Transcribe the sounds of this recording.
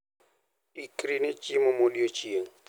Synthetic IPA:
ikʼrinet͡ʃʼimʊmoliot͡ʃʼieŋ̩

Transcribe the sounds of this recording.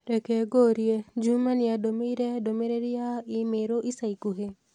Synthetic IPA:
ɾɛkeɡoɾjed͡ʒumanɪadomeiɾɛdomeɾeɾijaɪmeɾoʔisaikuɦe

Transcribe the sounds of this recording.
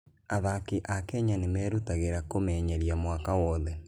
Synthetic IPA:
aðakeʔakɛɲanemɛːɾutaɣeɾakomɛːɲɛɾjamwakawɔðɛ

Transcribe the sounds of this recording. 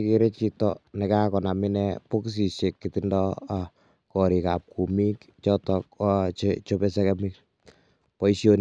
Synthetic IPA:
keɾet͡ʃitɔnɛkakɔnaminɛpoks̬isekːitɪndɔ | kɔɾikap̚kumikt͡ʃɔtɔkt͡ʃt͡ʃopes̬ɛkɛmik̚ | pɔisjon

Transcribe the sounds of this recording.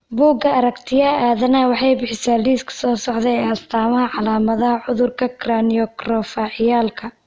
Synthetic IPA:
buːɡɐʔɐɾɐkt̪ʰɪjɐaːðɐnɐwɑħɑjbɪħɪsaːliːskʰɐ̥sɔːsɔʕðɛjɛːɐst̪ʰaːmɐɦɐʕɑlaːmɐðɐɦɐʕʊðʊrkʰɐkʰranijɔkrɔfaːʕɪjaːlkʰɐ

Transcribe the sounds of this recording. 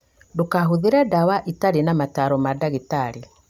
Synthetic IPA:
dokaɦoðeɾadawaʔitaɾenamataɾɔmadaɣitaɾe

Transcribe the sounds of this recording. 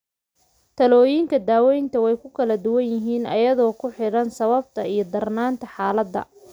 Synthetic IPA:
t̪ʰɐlɔːjiŋkʰɐd̪aːwɛjnt̪ʰɐwɛjkʰʊkʰɐlɐd̪ʊwɐnjɪɦiːnɐ̰jɐðɔːkʰʊħɪɾɐnsɐβɐb̚t̪ʰɐijɞd̪ɐrnaːnt̪ʰɐħaːlɐd̪ːɐ̰

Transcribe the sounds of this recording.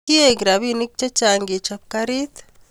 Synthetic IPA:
ieɡiɾaβinik̚t͡ʃat͡ʃaːŋɡit͡ʃap̚kaɾit̪

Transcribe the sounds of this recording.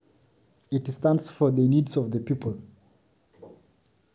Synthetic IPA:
ɪtstãntsfɔ˞ðənidzɔvðəpʰipʰəlˠ

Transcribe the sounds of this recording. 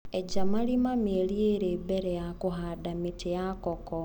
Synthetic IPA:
ed͡ʒamalimamelieɾebeɾɛjakuɦadamitejakɔkɔ

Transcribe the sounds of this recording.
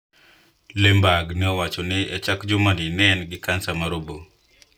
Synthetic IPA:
lembaɡnɛɔwat͡ʃɔnɪɛt͡ʃakd͡ʒʊmadinɛnɡɪkansamaɾobo

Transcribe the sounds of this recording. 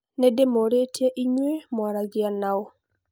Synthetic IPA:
nɛdemoɾetjaʔiɲwemwaɾaɡɪanao

